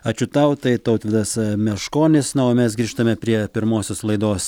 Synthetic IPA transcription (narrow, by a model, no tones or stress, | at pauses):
ɐt͡ʃʲʊt̪ɐʊt̪ɐɪt̪ɐʊt̪ʋʲɪd̪ɐsmʲɛʃkoːnʲɪsnɐoːmʲɛsɡɾʲiːʃt̪ɐmʲɛpʲɾʲiɛpʲɪɾmoːsʲoːslˠɐɪd̪oːs